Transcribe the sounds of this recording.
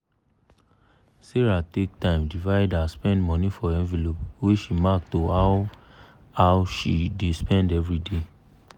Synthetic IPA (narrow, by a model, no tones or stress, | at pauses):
seɹatek̚tãɪ̃mdivaɪdaspɛ̃ndmɔ̃nifɔɛ̃nvilopweʃimak̚toa | awʃidespɛ̃ndɛvɹide